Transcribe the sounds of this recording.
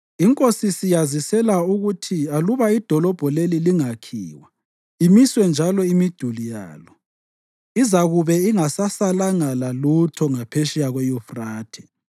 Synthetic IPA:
iŋkʼosisijazisɛlauɣutʰialuβaid̥ʱɔlɔb̥ʱɔleliliŋakʰiːwa | imiswɛnd͡ʒʱalɔimid̥ʱulija̰ːlɔ | izaɣuβɛiŋasasalaŋalalutʰɔŋapʰeʃijaɣwɛjufraːtʰɛ̥

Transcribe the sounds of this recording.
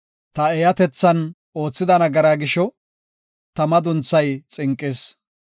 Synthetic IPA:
t̪ɐɛjɐt̪ɛt͡sːɐn | oːt͡sːɪd̪ɐnɐɡɐɾaːɡɪʃɔ | t̪ɐmɐd̪ʊnt͡sːɐjt͡sʼɪŋkʼːeːs

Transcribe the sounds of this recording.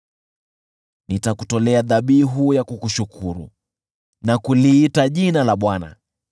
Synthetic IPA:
nitakutɔlɛaðaɓiɦujakukuʃukʰuɾṵ | nakuliːtaʄinalaɓwana̰

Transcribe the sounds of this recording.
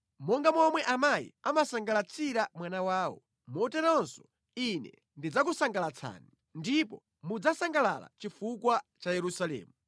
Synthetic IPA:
mɔŋɡamɔmwɛʔamajḭamasaŋɡalat͡sʰiɾamwanawaːwɔ̰ | mɔtɛɾɔnsɔ̥ | inɛ̰ | ndid͡zak̬usaŋɡalat͡sʰa̰ːni | ndipɔ | mud͡zasaŋɡalala̰t͡ʃifukwat͡ʃajɛɾusalɛ̰ːmu

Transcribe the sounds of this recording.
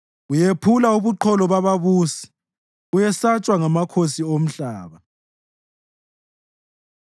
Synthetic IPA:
ujepʰulauβuǃʰɔlɔβaβaβuːsi̥ | ujɛsat͡ʃʼwaŋamakʰosiom̩ɬaːβa

